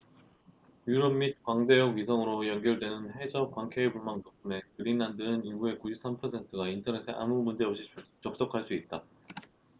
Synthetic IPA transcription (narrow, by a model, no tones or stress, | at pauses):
juɾʌmmit̚kwaŋde̞jʌɡɥisʰʌŋɯɾojʌnɡjʌɭdwe̞nɯnɦe̞d͡ʑʌkwaŋkʰeebuɭmaŋtop͈ʰume̞kɯɾinːandɯniɡue̞kuɕʰip̚s͈ampʰʌsʰe̞ntʰɯɡaintʰʌne̞sʰeʔa̰mumund͡ʑe̞ʌp̚ɕ͈i̥t͡ɕʌp̚s͈ʌkʰaɭs͈uit̚t͈a